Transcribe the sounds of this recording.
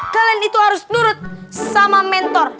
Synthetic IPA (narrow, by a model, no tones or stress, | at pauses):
ɡ̥a̤lɛnit̪uhaɾʊsnuɾʊt̪̚samamɛnt̪ɔr